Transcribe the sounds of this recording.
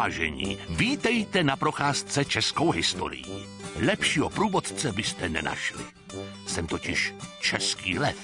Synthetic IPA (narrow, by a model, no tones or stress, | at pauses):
ʒɛ̰ɲḭːviːt̪ɛjt̪ɛnapɾo̞xaːst͡sɛt͡ʃɛskowɦɪst̪o̞̰ɾɪ̰jḭ | lɛpʃiːɦopɾuːvot̪t͡sɛbɪst̪ɛnɛna̰ʃlɪ̰ | sɛmt̪ocɪʃt͡ʃɛskiːlɛf